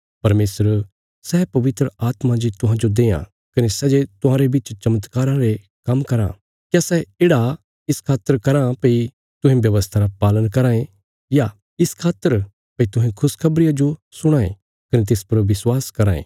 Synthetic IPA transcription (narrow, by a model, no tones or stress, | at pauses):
pɐɾmeːsəɾ | sɛːpɐʋɪt̪ɾəʔaːt̪mãd͡ʒit̪ʊɦãd͡ʒod̪eːjã̰ | kɐnesɛːd͡ʒet̪ʊɦãːɾebɪt͡ʃt͡ʃɐmət̪kaːɾãɾe | kɐmkɐɾã̰ | kjasɛeːɽa | ɪskʰaːt̪ːəɾkɐɾãpɐi | t̪ʊ̃ɦẽbjɐʋəst̪ʰaɾapaːlənkɐɾãːẽ | ja | ɪskʰaːt̪ːəɾ | pɐit̪ʊɦẽkʰʊskʰɐbɾɪjad͡ʒosʊɽ̃aːḛ̃ | kɐnet̪̬eːspɐɾʋɪswaːskɐɾaːḛ̃ː